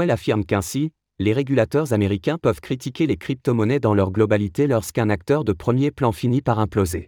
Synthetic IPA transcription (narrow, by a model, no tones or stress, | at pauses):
ɛlafiʁmkɛ̃si | leʁeɡʲylat̪œʁzameʁikʲɛ̃pœvkχit̪ikʲelekχip̚t̪ɔmɔnɛd̪ɑ̃lœʁɡlɔbalit̪elɔʁskɛ̃nak̚t̪œʁd̪əpχəmjeplɑ̃finipaʁɛ̃ploze